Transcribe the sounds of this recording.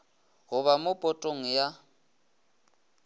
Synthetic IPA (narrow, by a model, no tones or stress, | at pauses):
ɦʊβamʊpʼɔtʼoŋ̩ja